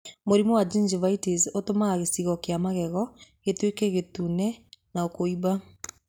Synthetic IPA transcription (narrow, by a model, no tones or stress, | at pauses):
moɾimuwad͡ʒind͡ʒivaitisotomaɣaɣesiɣɔkeamaɣɛɣɔɣetwekɛɣetunɛnaokoiba